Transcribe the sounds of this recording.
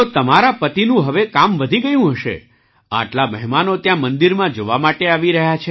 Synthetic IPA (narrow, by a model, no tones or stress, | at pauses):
t̪ot̪əmaɾapət̪inũɦəʋekamʋəd̪ʱiɡəjũɦəʃḛ | a̰ʈlaməɦmanot̪jãmənd̪iɾmãd͡ʒoʋamaʈeaʋiɾəɦjat͡ʃʰe